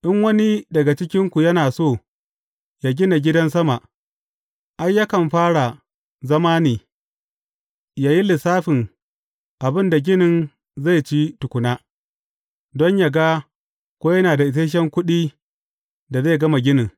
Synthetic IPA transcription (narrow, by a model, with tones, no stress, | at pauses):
ʔɪ˦ŋwɐ˦ni˦dɐ˨ɡa˨t͡ʃɪ˦kʲɪ˦ŋkʷu˨jɐ˦naː˨soː˦˨ | jaː˦ɡʲɪ˦na˨ɡʲɪ˦dɐ˦ns̬ɐ˦ma˨ʔ | ʔa˦jːa˦kɐ˨mɸaː˦ɽa˨ | zɐ˦maː˦niː˨ | jaː˦ji˦lɪ˨saː˦ɸɪ˨ŋ | ʔa˨bɪ˦nda˨ɡʲɪ˦nɪ˨n | za˦˨jt͡ʃi˦tʊ˨kʷʊ˨naː˦ | dɔ˦ɲja˨ɡa˦ | kʷoː˦jɐ˦naː˨da˨ʔɪ˨s̬eː˦ʃ̬ɛ˦ŋkʷʊ˦ɗiː˦ | da˨za˦˨ɡɐ˦ma˨ɡʲɪ˦nɪ˨ŋ